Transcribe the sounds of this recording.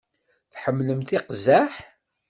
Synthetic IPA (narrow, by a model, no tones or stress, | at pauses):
θħəmːləmθiqzæħ